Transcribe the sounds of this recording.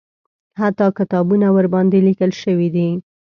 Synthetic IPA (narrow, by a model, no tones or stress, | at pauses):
hat̪ːɑkɪt̪ɑbunawəɾbɑnd̪elikəlʃəwid̪i